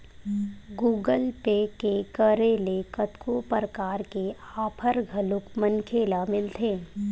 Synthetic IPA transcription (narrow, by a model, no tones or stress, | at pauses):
ɡuːɡəlpeːkekəɾeːlekət̪kʰopəɾkaːɾkeaːpʰəɾɡʱɐlʊkmənkʰeːlamɪlt̪ʰeː